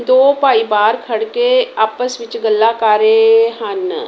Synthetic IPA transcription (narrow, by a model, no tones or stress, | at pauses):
d̪oːpaːibaːɾkʰɐɽkeaːpəsʋɪt͡ʃɡəlːakaːɾeɦãn